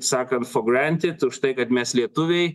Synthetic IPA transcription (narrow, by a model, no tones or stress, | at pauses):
sɑːkɐnt̪foɡɾænʲt̪ʲɪt̪ʊʃt̪ɐɪkɐt̪mʲɛslʲiɛt̪ʊʋʲɛɪ